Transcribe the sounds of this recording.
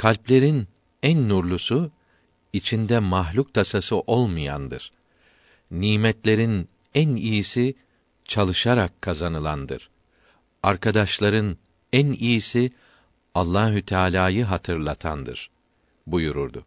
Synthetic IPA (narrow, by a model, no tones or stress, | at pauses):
kʰalʲplʲe̞ɾin | ænːuɾlˠusu | it͡ʃʰind̪ɛmaɦlʲuk̚t̪ʰasasɯʔo̞lˠmɯja̰nd̪ɯ̰ɾ̥ | niːmɛt̪lʲe̞ɾin | ænijisi | t͡ʃʰalˠɯʃaɾakʰːazanɯlˠand̪ɯ̰ɾ̥ | aɾkʰad̪aʃlˠaɾɯn | ænijisi | alˠːaːɦut̪ʰaːlʲaːjɯɦat̪ʰɯɾlˠat̪ʰa̰nd̪ɯ̰ɾ̥ | bujuɾṵɾd̪ʊ̰